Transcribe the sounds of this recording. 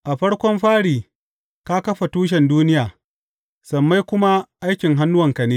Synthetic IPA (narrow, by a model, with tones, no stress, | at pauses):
ʔa˨ɸɐ˦ɽkʷɔ˦mɸaː˦ɽiː˨ | ka˦kɐ˦ɸa˨tuː˦ʃ̬ɛ˨nduː˦nɪ˦jaː˨ | sɐ˨mːa˦jkʷʊ˦ma˦ʔa˦jkʲɪ˨ŋɦa˦nːʊ˦wɐ˨ŋkɐ˨neː˦